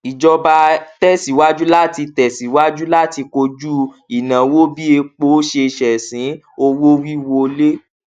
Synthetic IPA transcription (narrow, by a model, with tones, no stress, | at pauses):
i˨d͡ʒɔ˧ba˧tɛ˦˨si˨wa˦d͡ʒu˦la˦ti˧tɛ˨si˨wa˦d͡ʒu˦la˦ti˧ko˧d͡ʒu˦ | i˨nã˨wo˦bi˦e˧k͡po˦ʃe˧ʃɛ˨sĩ˨˦ | o˧wo˦wi˦wo˦˧le˦